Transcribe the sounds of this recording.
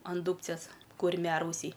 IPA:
ɐn ˈduːpʲt͡sʲeːs kʊrʲˈmʲæːrɐʊsʲɛɪ

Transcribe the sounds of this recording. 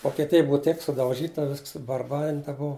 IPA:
ʋoːkʲɛˈtʲɪjɛ ˈbʊʋɐ ˈtʲɛɪp sʊdɐʊˈʒʲiːtɐ ˈʋʲɪsks sʊbɐrˈbɑːrʲɪntɐ ˈbʊʋʊ

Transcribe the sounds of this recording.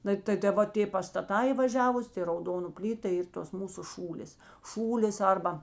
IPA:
ˈnɐɪ tɐ tɐ ˈʋɐ tʲeː pɐstɐˈtɑː iː ʋɐˈʒʲæːʋʊs tʲɪ rɐʊˈdoːnʊ ˈpʲlʲiːtɐ tɐ ˈiːr toːs ˈmuːsʊ ˈʃuːlʲeːs ˈʃuːlʲeːs ˈɐrbɐ

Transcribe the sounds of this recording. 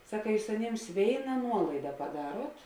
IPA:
ˈsɑːkɐ ˈjuːs ɐˈnʲeːms ˈʋʲeːɪnɐ ˈnuɔlˠɐɪdɐ pɐˈdɑːruɔt

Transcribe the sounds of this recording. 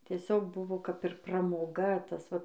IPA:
tʲiɛˈsʲoːk ˈbʊʋoː kɐp ɪr prɐmoːˈɡɐ ˈtɐs ˈʋɐ

